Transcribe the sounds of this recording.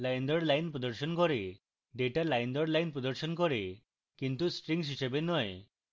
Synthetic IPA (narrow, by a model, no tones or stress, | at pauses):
lajnd̪ɔɽlajnpɾɔd̪ɔɾʃɔnkɔɾe | ɖeʈalajnd̪ɔɾlajnpɾɔd̪ɔɾʃɔnkɔɾe | kint̪usʈɾiŋs̬ɦiʃebenɔe